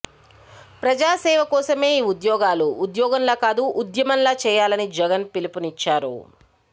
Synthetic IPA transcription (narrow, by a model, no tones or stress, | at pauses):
pɾɐd͡ʒaːsɛːʋɐkɔːsɐme̞ːiːud̪jɔːɡaːluːd̪jɔːɡɐnlaːkaːd̪uʔud̪jɐmɐnlaːt͡ʃɛːjaːlɐnid͡ʒɛɡɐnpilipunit͡ʃːaːɾṵ